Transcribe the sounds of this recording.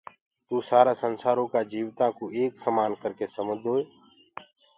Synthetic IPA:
t̪uːsaːɾaːsənsaːɾõːkaːd͡ʒiːʋt̪ãːkoːʔeːksəmaːnkəɾkeːsəməd̪ʱɦoːeː

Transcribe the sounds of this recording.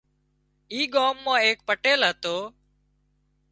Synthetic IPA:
iːɡaːmːãːeːk̚pəʈeːlɦət̪oː

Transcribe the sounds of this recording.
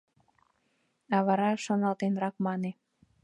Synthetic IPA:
ɑβɑɾɑʃonɑlt̪enɾɑkmɑne

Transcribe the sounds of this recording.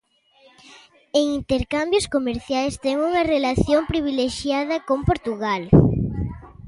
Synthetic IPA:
eŋint̪eɾkambjoskomeɾθjajst̪ɛŋuŋɐrelaθjompɾiβ̞ileʃjað̞ɐkompoɾt̪uɣal

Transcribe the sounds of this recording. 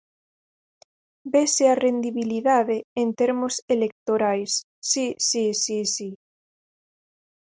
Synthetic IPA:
besearend̪iβiliðaðeːnt̪eɾmoselek̚t̪oɾajsː | isisisi

